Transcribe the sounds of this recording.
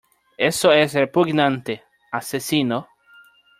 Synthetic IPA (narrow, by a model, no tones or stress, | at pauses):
esoesrepuɡnãnt̪e | asesino